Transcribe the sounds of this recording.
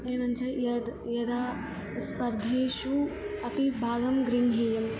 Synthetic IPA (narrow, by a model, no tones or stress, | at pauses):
eːʋɐnt͡ʃʰɐjɐd̪jɐd̪aː | spɐɾd̪ʱeːʃu | ɐpibʱaːɡɐmɡɾiɳʱɦejɐm